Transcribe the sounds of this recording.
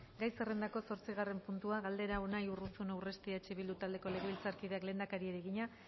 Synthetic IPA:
ɡajse̞re̞nd̪ako̞so̞ɾt͡siɣ̞are̞mpunt̪uaɣald̪e̞ɾaonajurusunawre̞st̪iat͡ʃeβild̪ut̪ald̪e̞ko̞le̞ɣ̞o̞ilt͡saɾkiðe̞akle̞ːnd̪akaɾieɾeɣiɲa

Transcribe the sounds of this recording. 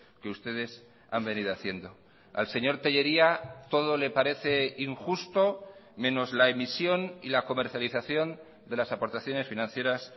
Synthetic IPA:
keust̪e̞ð̞e̞s | a̰mbe̞niðoaθje̞nd̪o̞ | a̰lse̞ɲo̞ɾt̪e̞ʝe̞ɾiat̪o̞ðo̞le̞paɾe̞θe̞iŋxust̪o̞mẽ̞no̞zlaemisjo̞nilako̞me̞ɾθjaliθaθjo̞n | d̪e̞lasapo̞ɾt̪aθjo̞ne̞sfinãn̟θje̞ɾas

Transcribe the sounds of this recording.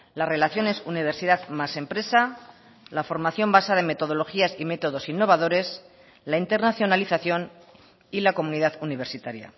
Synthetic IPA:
lare̞laθjo̞ne̞suniβ̞e̞ɾsið̞aðmase̞mpɾe̞sa | lafo̞ɾmaθjo̞mbasaðe̞me̞t̪o̞ð̞o̞lo̞xiasime̞t̪o̞ð̞o̞sinːo̞β̞að̞o̞ɾe̞s | laint̪e̞ɾnaθjo̞naliθaθjo̞n | ilako̞muniðaðuniβ̞e̞ɾsit̪aɾja̰

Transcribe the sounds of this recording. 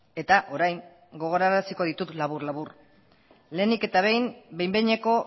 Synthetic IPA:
e̞t̪aʔo̞ɾajŋ | ɡo̞ɣ̞o̞ɾaɾasiko̞ð̞it̪ut̪laβ̞uɾlaβur | le̞ːnike̞t̪aβe̞jmbe̞jmbeɲe̞ko̞

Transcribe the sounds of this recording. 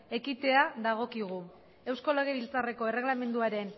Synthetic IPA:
e̞kit̪e̞aðaɣ̞o̞kiɣ̞u | e̞wsko̞leɣeβilt͡sare̞ko̞e̞re̞ɣlame̞nd̪uaɾe̞n

